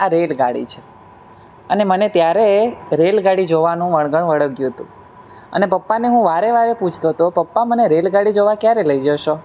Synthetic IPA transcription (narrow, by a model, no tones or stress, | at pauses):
aɾelɡa̰ɽḭt͡ʃʰe | ənemənet̪jaɾeɾelɡaɽid͡ʒoʋanũʋəɭɡəɳ̃ʋəɽəɡjũɦət̪ṵ̃ | ə̰nepəpːaneɦũʋaɾeʋaɾeput͡ʃʰt̪ot̪opəpːaməneɾelɡaɽid͡ʒoʋakjaɾeləid͡ʒəʃo